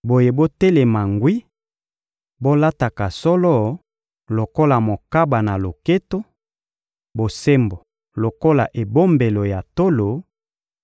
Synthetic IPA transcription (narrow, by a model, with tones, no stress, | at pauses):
bo˨je˨bo˦te˦le˨ma˨ŋɡwi˦ | bo˦la˦ta˨ka˨sɔ˦lɔ˦˨ | lo˨ko˦la˨mo˨ka˦ba˨na˨lo˨ke˦to˦ | bo˨se˦mbo˨ | lo˨ko˦la˨ʔe˨bo˦mbe˨lo˨ja˨to˦lo˨